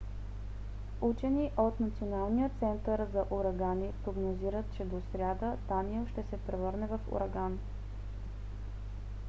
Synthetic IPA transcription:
ut͡ʃɛniʔot̪nɐt̪sionalˠnijət̪sɛnt̪əɾzɐʔuɾɐɡanipɾoɡnoziɾət̪̚t͡ʃɛd̪osɾʲad̪əd̪aniəlˠʃt̪ɛsɛpɾɛvɤɾnɛvɐfṵɾɐɡan

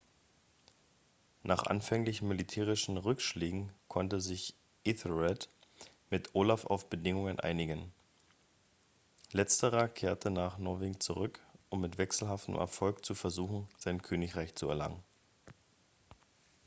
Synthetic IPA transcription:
nʔaːχʔa̰nfɛŋlɪçn̩militʰɛːʁ̞ɪʃn̩ʁʏkʃleːɡŋ̩kʰɔntəzɪç | ʔɪθəʁɛt | mɪtʔoːlafa̰ʊfb̥ədɪŋʊŋənʔa̰ɪnɪɡən | lɛt͡stəʁɐkʰeːɐtʰənaːχnɔɐveːɡŋ̩t͡suʁʏkʔʊmːɪtv̥ɛksl̩ɦaftəm̩ʔɛ̰ɐfɔlkt͡sufɛɐzuːxn̩z̥aɪnkʰøːnɪçʁaɪçt͡suɛ̰ɐla̰ŋən

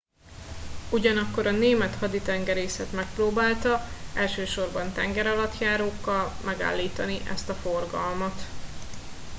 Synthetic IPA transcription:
uɟɒnɒkːo̞ɾɒneːmɛt̪hɒd̪it̪ɛŋɡɛɾeːsɛt̪mɛk̚proːbaːlt̪ɒɛlʃøːʃo̞rbɒnt̪ɛŋɡɛɾɒlɒt̪jaːɾoːkːɒlmʔɛɡa̰ːlːiːt̪ɒniʔɛ̰st̪ɒfo̞rɡɒlmɒt̪

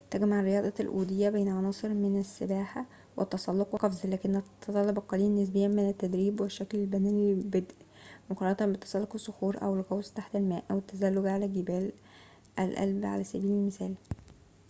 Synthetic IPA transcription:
t̪æɡmaʕrɾːejɑːd̪ˤɑlʔuːd̪ɪjːæbeːnæʕɑnɑːsˤɨɾmenæsːebæːħa | wḛt̪ːɑsˤɑlːoqweqɑfzlæːkenːt̪t̪ˤɑlːɑbɑqːɑliːnːes̬bejːæmenæt̪ːæd̪ɾiːbweʃːæklelbænæːnbæd̪ʔi | moqɑɾɑʕɑt̪ɑmbet̪ɑ̥sˤɑlːoqesˤːoxuːɾʔæ̰welɣæwst̪aħt̪ælmæːʔʔæwet̪ːæzælːoɡʕalæɡebæːl | ʔælʔæ̰lbʕa̰læsæ̰biːlelmɪsæːl

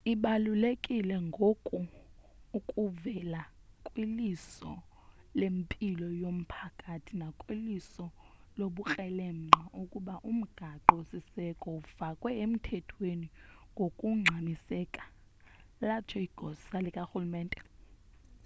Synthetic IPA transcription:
iɓalulekʼilɛŋɡʱokʼuː | kʼuvɛla | kʼwilisɔ | lempʼilɔjom̩pʰakʼatʰinakʼwilisɔ | loɓuk͡xʼɛlɛŋ͡ǃʱaʔukʼuɓaʔum̩ɡ̥ʱaǃɔsisɛkʼɔufakʼwɛem̩tʰɛtʰweniŋɡʱokʼuŋ͡ǁʱamisɛːkʼḁ | lat͡ʃʰɔiɡ̥ʱɔssalikʼaxulumɛːntʼɛ

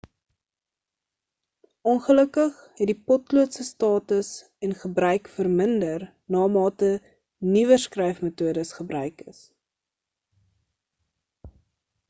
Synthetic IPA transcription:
ʔɔnχələkəχhɛdipɔtluətsəstɑːtəs | ɛnχəbrœɥkfərməndər | nɑːmɑːtə | nivəskrɛjfmətuədəsχəbrœɥkə̰s

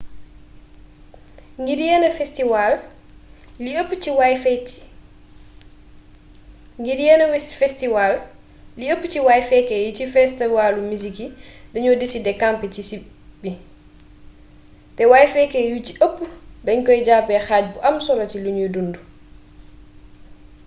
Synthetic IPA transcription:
ŋɡiɾijɛnafɛstiwalː | iəpːut͡ʃiwajf | ŋɡiɾijɛnafɛstiwal | liəpːut͡ʃiwajfɛkɛjit͡ʃifɛstiwalumisikidaɲɔdisidɛkampɛt͡ʃisi | bːi | tɛwajfɛkɛjut͡ʃiʔəpːudaɲkɔjd͡ʒapɛxad͡ʒbɔʔamsɔɾatiluɲudundu

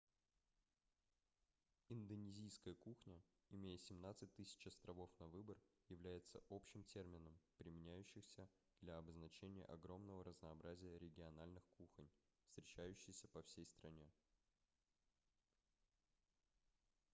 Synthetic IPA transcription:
ɪnd̪ənʲɪzʲijskəjəkuxnʲə | ɪmʲejəsʲɪmnat̪sɨt̚ʲt̪ɨsʲɪ̥t͡ɕɐst̪ɾɐvo̞fnɐvɨbərjɪvlʲæjɪt̪sə̰ʔo̞pɕɪmtʲe̞rmʲɪnəmpɾʲɪmʲɪnʲæjʉɕːɪxsʲə | d̪lʲaɐbəznɐt͡ɕenʲɪjə̰ʔɐɡɾo̞mnəvəɾəznəːbɾʔazʲɪjəɾʲɪɡʲɪɐnalʲnɨxkuxənʲfst̪ɾʲɪt͡ɕæjʉɕːɪjsʲəpɐfsʲejst̪ɾɐnʲe̞

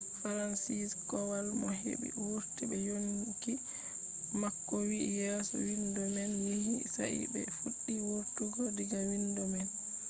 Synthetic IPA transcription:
faɾansiskɔwalmɔɦḛbḭwuɾtibɛjonki | makːɔwijɛsɔ̰windɔmɛnwihisaʔḭbɛ̰fuɗːiwoɾtuɡɔdiɡawindɔmɛn

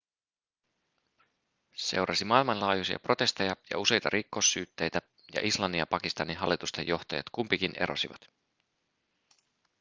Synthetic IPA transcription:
se̞̰wɾʔɑsimɑilmɑnlɑːjusiɑ̰pro̞t̪e̞st̪ɑjɑjɑ̰use̞jt̪ɑɾʔikːo̞sːyːt̪ːe̞jt̪æ | jɑ̰ʔislɑnːijɑpɑkist̪ɑnːinɦɑlːit̪ust̪e̞̰jo̞ht̪ɑjɑ̰t̪kumpikine̞̰ɾo̰siʋɑt̪

